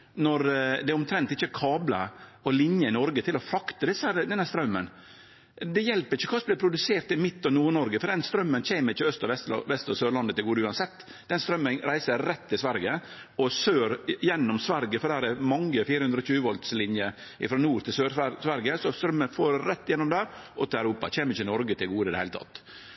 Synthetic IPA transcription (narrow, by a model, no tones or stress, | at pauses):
nɔɾd̪ɛʊmt̪ʰɾɛnt̪ɪçːəkʰɑːblə̰ɔlɪnjəɪnɔɾɡət̪ʰɪlɔfɾɑkt̪əd̪ɪsæɾd̪ɛnhæɾst̪ɾœmːə̰n | d̪ɛjɛlpəɾɪçːəkʰɑːsblɪpʰɾʊd̪ʉseːɾt̪ɪmɪt̪ːɔnuːɾnɔɾɡəfɔɖd̪ɛnst̪ɾœmːənc͡çeːməɾɪçːəœst̪ɑʋɛst̪ʋɛst̪ɑsøːɾɭɑnd̪ət̪ʰɪlɡuːd̪ʉːɑnsɛt̪ː | d̪̥ɛnst̪ɾœmːənɾæɪsəɾɛt̪ːɪlsʋæɾɡə | ɔsøːɾjɛnːɔmsʋæɾɡəfɔɖ̪hæːɾɛmɑŋːəfiːɾəhʉnd̪ɾɔçʉːəʋɔlt̪slɪnjə | ʔɪ̰fɾɔnuːɾt̪ʰɪlsøːɾsʋæɾɡəsɔst̪ɾœmːənfoːɾɾɛt̪ːɪjɛnːɔmd̪æːɾʔɔt̪ʰɪlæʉɾuːpɑ̰c͡çeːməɾɪçənɔɾɡət̪ʰɪlɡuːd̪əɪd̪ɛhæɪlt̪ʰɑ̰t̪ː